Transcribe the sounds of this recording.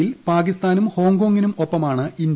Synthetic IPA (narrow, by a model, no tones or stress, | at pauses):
ilpaːkist̪aːnumho̞ːŋɡo̞ːŋːinumopːɐmaːɳɨind̪